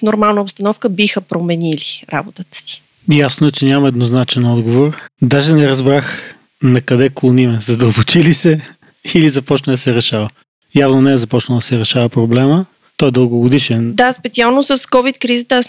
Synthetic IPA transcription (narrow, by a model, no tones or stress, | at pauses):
fnoɾmalˠnəopst̪ɐnɔfkəbixəpɾomɛniliɾa̰bot̪ət̪ə̥si̥ | jasnoɛt͡ʃɛnʲamɐɛd̪noznat͡ʃɛnɔd̪ɡovoɾd̪aʒɛnɛɾɐzbɾax | nɐkɐd̪ɛklˠonimɛzɐd̪əlˠbot͡ʃilisɛ | ilizɐpɔt͡ʃnəd̪ɐsɛɾɛʃavə | javnonɛɛzɐpɔt͡ʃnəlˠd̪ɐsɛɾɛʃavɐpɾoblɛmə | t̪ɔɛd̪əlˠɡoɡod̪iʃɛnd̪aspɛt̪sialˠnosəskɔvit̪kɾizət̪əas